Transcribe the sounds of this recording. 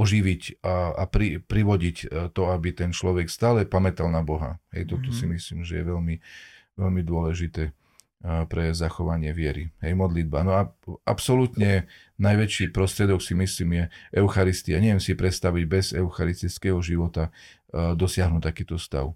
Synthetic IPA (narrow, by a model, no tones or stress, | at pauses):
ɔʒiʋicaapɾipɾiʋɔɟict̪ɔabit̪ɛnt͡ʃlɔʋɛkst̪aːlɛpamɛt̪alnabɔɦa̰ɦɛ̰jt̪ɔt̪ɔsimislḭːmʒɛ̰jɛ̰ʋɛlmi | ʋɛlmid̪ʊɔlɛʒit̪ɛː | pɾɛzaxɔʋaɲɪɛʋɪɛɾiɦɛjmɔd̪lid̪̚baːnɔaa̰psɔlut̪ɲɛ | najʋɛt͡ʃiːpɾɔst̪ɾɪɛd̪ɔksimisliːmʒɛʔɛʊxaɾist̪iaɲɛʋjɛmsipɾɛt̪st̪aʋiɟbɛzɛʊxaɾist̪it͡sskɛɦɔʒiʋɔt̪a | d̪ɔsɪaɦnuːc̚t̪ːakiːt̪ɔst̪a̰ʊ